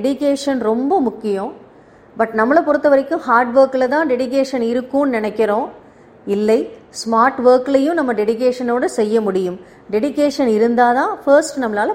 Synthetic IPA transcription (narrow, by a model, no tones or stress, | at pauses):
ɛɽɪkeːʂɐnɾɔmbɐmʊkːɪjõ | bɐʈnɐmːɐɭɐpɔɾɯt̪ːɐʋɐɾɐkːɯ̃mhaːɾɖʋɐːɾkɪlɐt̪ãːɖɛɽɪk̬eːʂɐnɪɾɯkːʊnɪnɐkːɪɾõː | ɪlːɐɪsmaːɾʈʋɐːkɪlɐjɯ̃mnɐmːɐɖɛɽɪk̬eːʂɐnoːɽɐsɛjːɐmʊɽɪjɯm | ɖɛɽɪkeːʂɐnɪɾɯnd̪aːðãːfɐɾsʈnɐmːɐlaːlɐ